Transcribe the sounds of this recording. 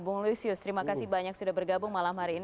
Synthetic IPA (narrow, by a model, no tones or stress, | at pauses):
bʊŋluisiʊst̪əɾimakasɪhbaɲak̚sudahbərɡabʊŋmalamhaɾiːn